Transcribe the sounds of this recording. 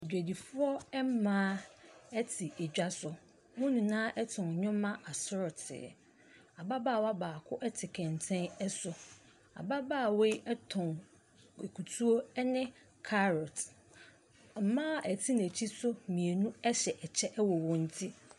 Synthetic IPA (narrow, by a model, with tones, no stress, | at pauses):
d͡ʑᶣæ˨di˨fʊ˦ɔ˦ɛ˦m˦mãː˦ɛ˦tʰi˨ɛ˨d͡ʑᶣa˦sʊ˨ | wʊ̃˦nĩ˨nãː˦ʔɛ˦tʰɔ̃˨ɲᶣʊ̃˦mã˦ʔa˨sʊ˦ɾɔ˨tʰɪ̰˨ | a˨ba˦ba˦˨wa˦baː˨kʰʊ˦ʔɛ˦tʰɪ˨kʰɛ̃˨n˨tʰɛ̃˦nɛ˦sʊ˨ | a̰˨ba˦baː˦˨we˦ɛ˦tʰɔ̃˨n | e˨kʰu˨tʰu˦o˦nɪ̃˦ | kʰa˦ɾɔ˨t | m̩˨˦mãː˦ʔɛ˨tʰi˦ñ˨æ˨t͡ɕʰi˦sʊ˦˨mĩ˨e˨nũ˦ɛ˦ɕɛ˨ʔɛ˨t͡ɕʰɛ˦ʔɛ˦wɔ˨wɔ̃˨n̩˨tʰi˦